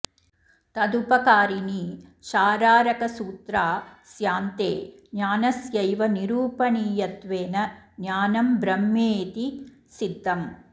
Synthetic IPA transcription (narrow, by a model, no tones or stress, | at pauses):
t̪ɐd̪upɐkaːɾiniʃaːɾaːɾɐkɐsuːt̪ɾaːsjaːnt̪eː | njaːnɐsjɐjʋɐniɾuːpɐɳiːjɐt̪ʋeːnɐnjaːnɐmbɾɐmːeːt̪i | sid̪ʱːɐm